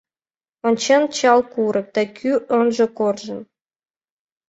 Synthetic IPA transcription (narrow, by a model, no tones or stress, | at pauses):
ŏnt͡ɕent͡ɕɑlˠkuɾɤ̆k̚t̪ækʲʰyʔɤnʒɤ̆korʒɤ̆n